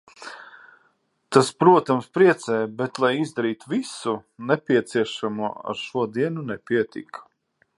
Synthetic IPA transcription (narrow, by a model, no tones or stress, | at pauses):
t̪aspɾuɔt̪amspɾiɛt̪sɛːjbɛt̪lˠajizd̪aɾiːt̪visunɛpʲiɛt̪siɛʃamuɔa̰ɾʃuɔd̪iɛnunɛpiɛt̪ḭkʰḁ